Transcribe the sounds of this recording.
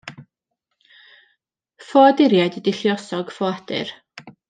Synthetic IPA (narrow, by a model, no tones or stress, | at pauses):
fɔadɪɾjajdidɪɬjɔsɔɡ̥fɔad̥ɨ̰r